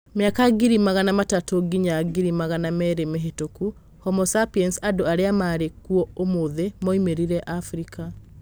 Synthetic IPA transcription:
meakaɡiɾimaɣanamatatoɡiɲaɡiɾimaɣanamɛɾemeɦetoku | hɔmɔsapiɛnsadoaɾeamaɾekuɔomoðemɔimeɾiɾɛʔafɾikʰa

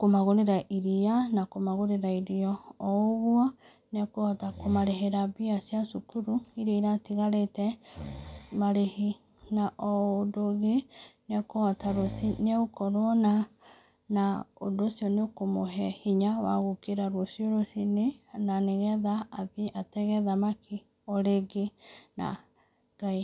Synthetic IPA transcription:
komaɣoɾeɾaʔiɾianakomaɣoɾeɾaiɾiɔːoɣwɔ | nɛkoɔtakomaɾeɦeɾaβiasiasukuɾuiɾeiɾatiɣaɾetɛ | maɾehi | naʔɔdoɣenɛkoɣɔtaɾosineokɔɾona | nao̰ndoːsiɔneokomoɦɛhiɲawa̰ɣokeɾaɾwɔsjoɾosinenaneɣɛðaːðiatɛɣɛðamakʰi | ɔɾeɡena̰ | ɡai

